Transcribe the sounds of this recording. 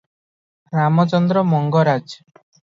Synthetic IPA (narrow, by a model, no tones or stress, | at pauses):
ɾamɔt͡ʃɔnd̪ɾɔmɔŋɡɔɾad͡ʒ